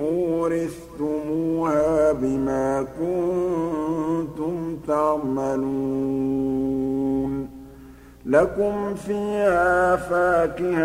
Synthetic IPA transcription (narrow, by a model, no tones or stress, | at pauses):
ʔʊːɾɪst̪ʊmuːhaːbɪmaːkʊn | t̪ʊmt̪ɑʕmalu | n | lakʊmfiːʔhaaːfaːkɪh